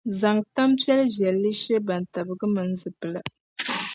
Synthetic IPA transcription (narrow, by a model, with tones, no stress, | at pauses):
za˨ŋta˦mpɛ˦lvjɛ˨lːɨ˦ʃe˦ba˨n˨ta˨bɨ˨ɡɨ˦mɨ˨n̩˦zɨ˨pɨ˨la˨